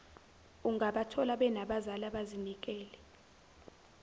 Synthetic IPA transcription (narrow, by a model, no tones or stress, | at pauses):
uŋɡaɓatʰɔlaɓɛnaɓazalaɓazinik̬ʼɛːlɛ